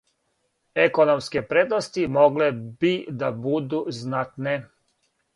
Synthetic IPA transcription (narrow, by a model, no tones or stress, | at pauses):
ekonomskepɾeːd̪nost̪imoɡlebid̪abud̪uznat̪ne